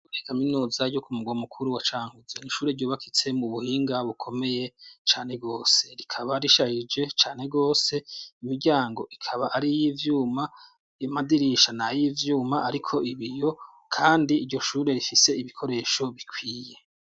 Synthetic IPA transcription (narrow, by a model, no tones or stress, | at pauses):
ikaminuːzaɟo̞kumuɡwamukʰuɾuwat͡ʃaːŋhuzeniʃuːɾe̞ɾɟo̞ːβakʰit͡se̞muβuhiːŋɡaβukʰo̞me̞je̞t͡ʃaːne̞ɡo̞ːse̞ɾikʰaβaɾiʃahid͡ʒe̞t͡ʃaːne̞ɡo̞ːse̞imiɾɟaːŋɡo̞ʔikʰaβaʔaɾijivjuːma | jamadiɾiʃanajivjuːmaaɾikʰo̞ʔiβijo̞ | kʰaːndiːɾɟo̞ʃuːɾe̞ɾifise̞iβikʰo̞ɾe̞ːʃo̞βikʰwiːje̞